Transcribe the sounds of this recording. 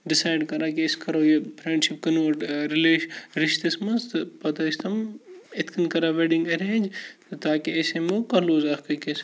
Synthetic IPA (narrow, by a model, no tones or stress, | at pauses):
ɖɪsaːjɖkɐɾaːkiskɐɾojepʰɾẽːɳɖʃɪp̚kɐnoːʈɾɪleːʃɾɪʃt̪ɐsmɐnst̪ɨpɐt̪ɐst̪ʰɐmɪt̪ʰkʰɐnkɐɾaʋeɖɪ̃ŋɡɐɾẽːd͡ʒ̪t̪aːkieːsemokɐloːzaːkɐkes